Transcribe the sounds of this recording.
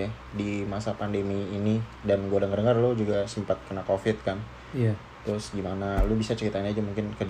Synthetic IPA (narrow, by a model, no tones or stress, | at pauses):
dimasapandemiːni | danɡuadəŋərdəŋərlʊd͡ʒuɡasəmpat̪̚kərnakofɪt̪̚kan | t̪ɾʊsɡimanalʊbisat͡ʃəɾit̪anad͡ʒamuŋkɪnkəd͡ʒ